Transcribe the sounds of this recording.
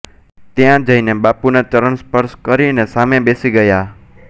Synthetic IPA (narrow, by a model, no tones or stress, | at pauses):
t̪jãd͡ʒəinebapunat͡ʃəɾəɳspəɾʃkəɾinesamebesiɡəja